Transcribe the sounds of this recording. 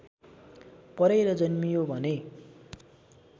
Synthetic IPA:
pʌɾeɾʌd͡zʌnmijobʱʌne

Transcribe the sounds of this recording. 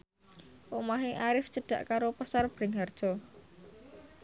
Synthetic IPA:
ʔomaɦeʔaɾɪft͡ʃəɖ̥a̤ʔkaɾopasarb̥ɾɪŋɦard̥ʒ̥ɔ̤

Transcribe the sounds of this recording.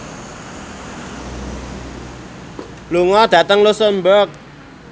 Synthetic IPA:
luŋɔd̪̥ä̤t̪əŋlusənbək̚

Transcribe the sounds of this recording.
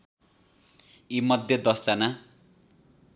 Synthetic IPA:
imʌd̪ʱjʌd̪ʌsana

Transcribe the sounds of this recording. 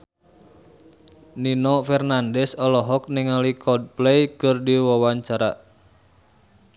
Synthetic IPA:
ninɔfɛrnandɛsɔlɔɦɔk̚niŋalikʰɔd̚plejkərdiwawaɲt͡ʃaɾa

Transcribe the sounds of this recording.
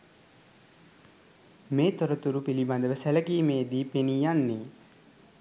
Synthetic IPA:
meːt̪oɾət̪uɾupiliband̪əʋəsæləkiːmeːd̪iːpenijanːe

